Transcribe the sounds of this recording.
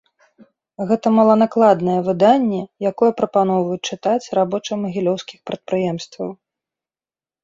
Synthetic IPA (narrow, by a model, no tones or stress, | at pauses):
ɣɛt̪ɐmɐlˠɐnaklˠad̪nɐjɛvɨd̪anʲːɛjakɔjɛpɾɐpanɔvɐjut͡ʂɨt̪at͡sʲrabɔt͡ʂɐmɐɣʲilʲɔwskʲixpɾɐt̪̚pɾɨjɛmst̪vɐw